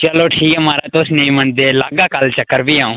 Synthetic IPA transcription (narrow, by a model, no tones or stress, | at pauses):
t͡ʃəloːʈʰiːkmaːɾaːt̪oːsneĩməɳd̪eːlaːɡaːkəlt͡ʃəkːəɾbiːãːũː